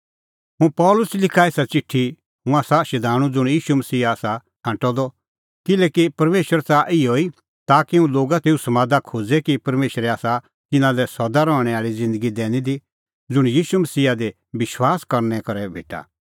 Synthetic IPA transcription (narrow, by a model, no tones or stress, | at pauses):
ɦũpɔːlʊslɪkʰaeːsat͡sɪʈʰːi | ɦʊ̃aːsaʃɛd̪ʱaːɽ̃ũd͡zʊɽ̃jiːʃumɐsiːaːsa | ɦãːʈɔd̪ɔ | kɪlɛːkipɐɾmeːʃəɾt͡saʔɪoi | t̪aːkiɦũloːɡat̪eːusɐmaːd̪akʰoːd͡zɛkipɐɾmeːʃɾɛaːsa | t̪ɪnãlɛsɔd̪aɾɔːɽ̃ɛ̃aːɭid͡zɪ̃nd̪əɡid̪ɛːñĩd̪i | d͡zʊɽ̃jiːʃumɐsiːad̪e | bɪʃwaːskɐɾnɛkɐɾɛbʱḛːʈa̰